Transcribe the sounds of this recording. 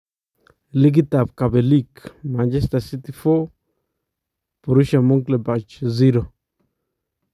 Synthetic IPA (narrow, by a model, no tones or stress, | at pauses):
liɡitab̚kabelikmand͡ʒɛstasit̪ifɔ | poɾuʃamuŋklebat͡ʃziɾo